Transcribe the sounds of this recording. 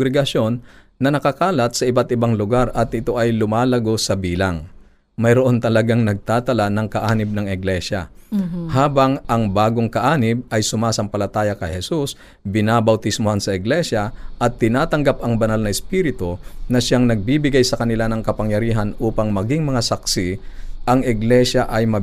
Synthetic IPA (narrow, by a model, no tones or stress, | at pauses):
ɡɾɛɡɐso̞nː | ɐnɐkɐkaːlɐt̪̚sɐʔɪbat̪ʔɪbaŋlʊɡaɾɐt̪ʔɪt̪o̞ʔɐjlʊmaːlɐɡo̞sɐbiːlaŋ | mɐjɾoʔo̞nt̪ɐlɐɡaŋnɐɡ̚t̪aːt̪ɐlanɐŋkɐʔaːnɪb̚nɐŋɪɡlɛʃɐ̰haːbɐŋʔɐŋbaːɡoŋkɐʔaːnɪb̚ɐjsʊmaːsɐŋpɐlɐt̪aːjɐkɐjhɛsus | bɪnabɐwt̪ɪsmʊhansɐʔɪɡlɛʃɐʔɐt̪ːɪnaːt̪ɐŋɡapɐŋbɐnalnɐɛspiːɾɪt̪onɐʃaŋnɐɡ̚biːbɪɡajsɐkɐnɪlanɐŋkɐpɐŋjɐɾiːɦɐnʔuːpɐŋmɐɡɪŋmɐŋasɐksɪʔɐŋʔɪɡlɛʃɐʔɐjmɐ